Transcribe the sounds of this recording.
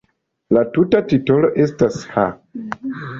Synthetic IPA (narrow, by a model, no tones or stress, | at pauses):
latutatito̞lo̞ʔe̞stasha